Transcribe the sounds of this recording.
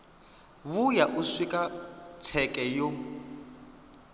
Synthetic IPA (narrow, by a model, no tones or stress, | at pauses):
βujaʔuswikʼat͡sʰɛkʼɛjo